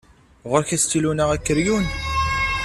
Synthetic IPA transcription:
ʁəɾçæst̪ːilunæʁækːəɾjun

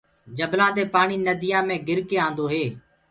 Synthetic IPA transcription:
d͡ʒəblãːt̪eːpaːɳiːnəd̪ʱɪjãːmẽːɡɪɾkeːãːnd̪oːɦeː

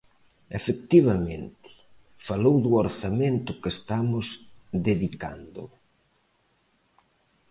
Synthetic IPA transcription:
efek̚t̪iβ̞ament̪ɪ̥ | falowðʊoɾθament̪ʊkest̪amʊzd̪eðika̰nd̪ʊ̰

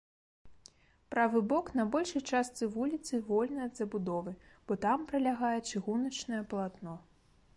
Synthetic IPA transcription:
pɾavɨbɔknɐbɔlʲʂɐjt͡ʂast̪sɨvulʲit̪sɨvɔlʲnɐjɐd̪zɐbud̪ɔvɨb̥ɔt̪ampɾɐlʲaɣajɛt͡ʂɨɣunɐt͡ʂnɐjɛplˠat̪nɔ

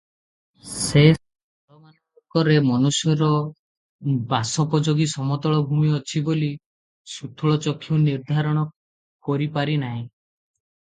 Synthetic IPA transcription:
se | ɔlɔman | ɔkɔɾemɔnusjɔɾɔ | basɔpɔd͡ʒoɡisɔmɔt̪ɔɭɔbʱumiɔt͡ʃʰiboli | sut̪ʰɔɭɔt͡ʃɔkʰːiuwniɾd̪ʱaɾɔɽ̃ɔ | kɔɾipaɾinaɦĩ

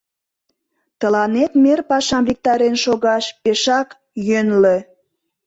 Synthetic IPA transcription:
t̪əlɑnet̪merpɑʃɑmvik̚t̪ɑɾenʃoɣɑʃpeʃɑk | jønle

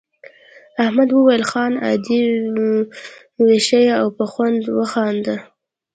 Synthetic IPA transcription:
ahmad̪wəwajəlxɑna̰d̪i | weʃajaawpəxwand̪wəxɑnd̪a

